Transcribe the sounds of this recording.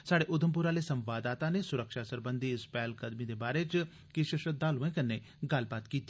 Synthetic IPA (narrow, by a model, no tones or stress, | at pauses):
saːɽeːʔʊd̪ʱəmp̬ʊɾaːleːsə̃mʋaːd̪aːt̪ãːneːsʊɾəkʃaːsəɾbənd̪iːɪspɛːlkəd̪miːd̪eːbaːɾeːt͡ʃ | kɪʃɪʃət̪̚d̪aːlũẽːkənːeː | ɡɐlbaːt̪kiːt̪i